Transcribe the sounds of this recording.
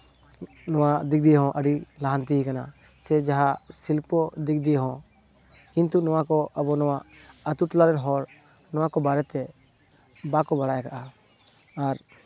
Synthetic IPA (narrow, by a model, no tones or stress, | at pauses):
nɔwad̪ik̚d̪ijɦɔ̃ʔəɖilaɦant̪iɦikana | sɛd͡ʒaɦasilpɔd̪ikʰd̪ijɦɔ̃ | kint̪unɔwakɔʔəbɔnɔwaʔət̪uʈlaɾɛnɦɔɾ | nɔwakɔbaɾɛt̪ɛ | bakɔbaɽajkaʔa | aɾ